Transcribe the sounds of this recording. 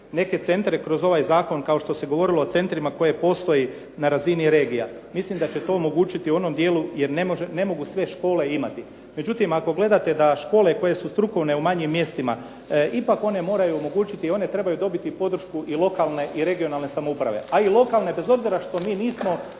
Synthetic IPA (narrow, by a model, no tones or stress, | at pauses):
ne̞ke̞t̪se̞nt̪ɾekɾo̞zo̞ʋajzaːko̞nkaoʃt̪o̞se̞ɡo̞ʋo̞ɾiloːt̪se̞nt̪ɾimako̞je̞po̞st̪o̞ji | naɾaziniɾe̞ːɡijamislimd̪at͡ɕe̞t̪o̞ːmo̞ɡuːt͡ʃit̪iuo̞no̞md̪je̞ːlˠuje̞ɾnemoʒene̞mo̞ɡusʋe̞ʃko̞ːle̞imat̪i | me̞d͡ʒut̪imako̞ɡle̞d̪at̪e̞d̪aʃko̞ːle̞ko̞je̞sust̪ɾuko̞ʋne̞umaɲimːje̞st̪ima | ipako̞ne̞mo̞ːɾajuomo̞ɡuːt͡ʃit̪io̞ne̞t̪ɾe̞bajud̪o̞bit̪ipo̞d̪ɾ̩ʃkuʔilˠo̞kalˠne̞ʔiɾe̞ɡio̞nalˠne̞samoupɾaʋe̞̰ailˠo̞kalˠne̞be̞zo̞bziɾaʃt̪o̞miːniːsmo̞